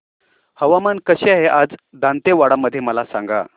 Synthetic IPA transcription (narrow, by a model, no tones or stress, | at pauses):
həʋamankəɕeɦeʔad͡zd̪ãnt̪eʋaɽaməd̪ʱːjeməlasã̰ŋɡa̰